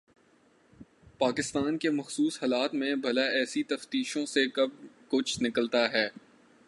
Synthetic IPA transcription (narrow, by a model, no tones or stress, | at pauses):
paːkɪst̪aːnkemɐxsuːsɦaːlaːt̪mẽbʱɐlaɛːsit̪ɐft̪iːʃõsekɐb̚kʊt͡ʃʰnɪkəlt̪aɦɛː